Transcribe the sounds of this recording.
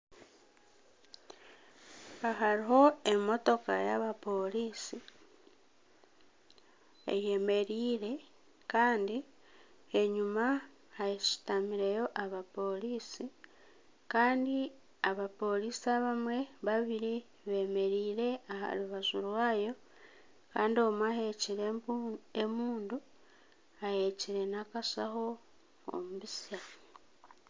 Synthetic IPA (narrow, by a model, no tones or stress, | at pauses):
aɦaɾiho̞e̞mo̞to̞kaja̰βapo̞liːsi | ḛje̞me̞ɾiːɾe̞ | kaːndi | e̞ɲuma | hajiʃi̥tamiɾe̞jo̞ʔaβapo̞liːsi | kaːndi | aβapo̞lisiaβamwe̞βaβiɾi | βe̞me̞ɾiːɾe̞aha̰luβazulwaːjo̞ | ka̰ːndio̞mwahe̞ciɾeemuːndu | aje̞ciɾe̞nakasa̰xo̞ | o̰muβisia